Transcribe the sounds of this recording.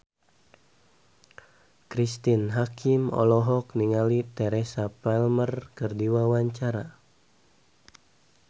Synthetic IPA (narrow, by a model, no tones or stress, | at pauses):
kɾist̪inɦakʰimɔ̰lɔɦɔkniŋalit̪ɛɾɛsapalmərkɨrdiwawaɲt͡ʃaɾa